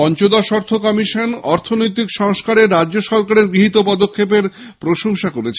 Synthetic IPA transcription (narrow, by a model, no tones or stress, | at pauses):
ɔnt͡ɕod̪aʃɔɾt̪ʰokɔmiʃonɔɾt̪ʰonojt̪̬ikʃɔŋʃkaɾeɾaːd͡ʑoʃɔɾkaɾeɾɡɾiɦit̪opɔd̪okʰːepeɾ | pɾoʃoŋʃakoɾet͡ɕʰe